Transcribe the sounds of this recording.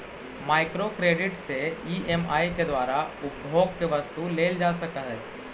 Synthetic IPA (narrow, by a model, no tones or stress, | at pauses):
majkɾokɾeɖɪʈseiemaːjked̪ʋaːɾaʊbbʱoːɡ̚keʋəst̪uleːld͡ʒasəkəɦɛː